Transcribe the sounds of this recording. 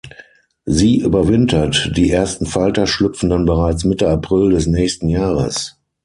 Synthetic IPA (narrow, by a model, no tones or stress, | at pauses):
ziːʔyːbɐvɪntʰɐtd̥iːʔeːɐstn̩faltɐʃlʏpp͡fn̩danbəʁaɪt͡smɪtəapʁ̥ɪldɛs̬nɛːçstn̩jaːʁə̰s